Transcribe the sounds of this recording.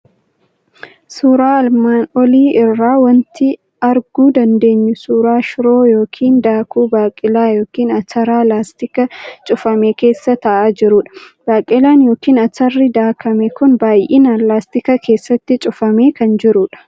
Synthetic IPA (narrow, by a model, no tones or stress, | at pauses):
suːɾaːɐlmaːnɔliːɪrːaːwɐnt̪ɪ | ɐɾɡuːd̪ɐnd̪e̞ːɲːʊsuːɾaːʃɾoːjo̞ːkʰiːnd̪aːkʰuːbaːkʼɪlaːjo̞ːkiːnɐtɐɾaːlaːst̪ɪkɐt͡ʃʼʊfɐmeːke̞ːsːɐt̪ɐʔaːd͡ʒɪɾʊᶑɐ̥ | b̥aːkʼɪlaːnjo̞ːkiːnɐtɐrːɪd̪aːkʰɐmɛkʊnbaːjʔiːnɐlaːst̪ɪkɐkʰe̞ːsːɐt̪ːɪt͡ʃʼʊfɐmeːkɐnd͡ʒɪɾʊᶑɐ̥